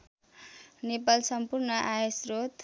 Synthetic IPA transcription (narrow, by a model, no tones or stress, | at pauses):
nepalsʌmpurnʌʔaesrot̪